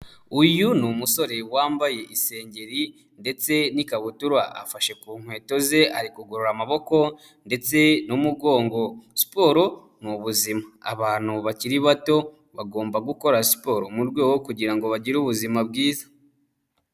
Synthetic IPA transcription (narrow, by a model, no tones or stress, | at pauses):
ujunumuso̞ɾe̞waːmbaje̞ʔise̞ːɲɟe̞ɾi | nde̞t͡se̞nikaβutuɾwaa̰faʃe̞kuːŋ̥hwe̞ːto̞ze̞aɾikuɡoɾoɾamaβo̞ko̞ | nde̞t͡se̞numuɡo̞ːŋɡo̞si̥po̞ːɾo̞ | nuβuzimaːβaːn̥huβaciɾiβato̞ | βaɡo̞ːmbaɡuko̞ɾasi̥po̞ːɾomuɾɡwe̞ːwokuɟiɾaŋɡo̞βaɟiɾuβuzimab̚ɡiːzḁ